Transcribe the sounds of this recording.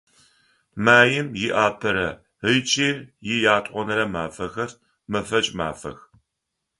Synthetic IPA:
maːjɪmjɪʔaːpʰɐɾɐ | ət͡ʃʼiːrjɪjaːtʼqʷɔnɐɾɐmaːfɐxɐr | mɐfɐt͡ʃʼma̰ːfɐ̰x

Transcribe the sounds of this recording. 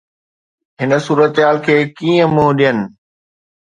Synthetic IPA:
ɦɪnə̆suːɾət̪ɦaːlkʰeːkĩːə̃mũɗijənɪ̆

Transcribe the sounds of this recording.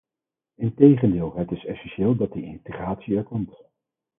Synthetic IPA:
ɪntejχəndɪːlˠɦətɪsɛsɛnʃeːlˠdɑt̚diɪ̰ntəχraːtsiɛɹkɔmt

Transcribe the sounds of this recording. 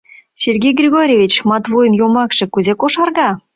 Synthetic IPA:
sʲerɡʲejɡrʲiɣoɾʲevʲit͡ɕmɑt̪vojənjomɑkʃɤ̆kuzekoʃɑrɣɑ

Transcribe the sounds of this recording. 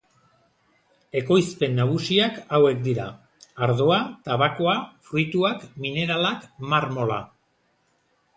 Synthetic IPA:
e̞ko̞jspe̞nːaɣ̞usiakawe̞kd̪iɾaː | ɾð̞o̞at̪aβako̞afɾujt̪uakmine̞ɾalakmaɾmo̞la̰

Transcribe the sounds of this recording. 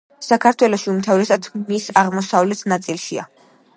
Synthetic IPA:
sakʰaɾt̪ʰwɛlɔʃiumt̪ʰavɾɛsat̪ʰmisaʁmɔsavlɛt̪ʰnat̪sʼilˠʃia̰

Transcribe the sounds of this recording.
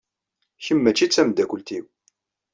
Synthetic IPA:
çəmːæt͡ʃːit͡sːæmd̪ækʷʊlt̪iw

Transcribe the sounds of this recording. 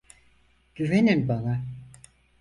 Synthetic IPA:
ɟ̥yveninbana

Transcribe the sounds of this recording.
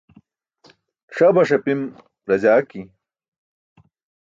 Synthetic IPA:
ʂɐbɐʂɐpim | ɾɐd͡ʑaːki

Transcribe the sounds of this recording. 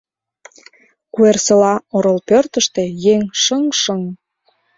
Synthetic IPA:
kuersəlɑoɾəlpørt̪əʃt̪e̽jeŋʃəŋʃəŋ

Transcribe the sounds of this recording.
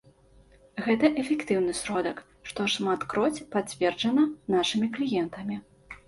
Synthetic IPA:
ɣɛt̪ɐʔɛfʲɛkt̪ɨwnɨsɾɔd̪ɐk | ʂt̪ɔʂmat̪kɾɔt͡sʲpat͡sʲvʲɛrd͡ʐɐnɐnaʂɨmʲiklʲijɛnt̪ɐmʲi

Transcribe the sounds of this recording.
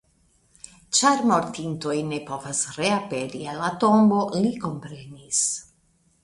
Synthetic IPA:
t͡ʃaɾmo̞ɾtinto̞jne̞po̞vasɾeape̞ɾialato̞mbo̞liko̞mpɾe̞nis

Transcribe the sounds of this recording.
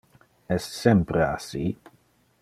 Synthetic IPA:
ɛssɛmpɾəa̰si

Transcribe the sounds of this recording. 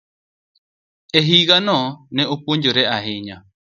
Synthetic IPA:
eɦiɣanõnẽopuɲd͡ʒoɾeʔaɦeɲa

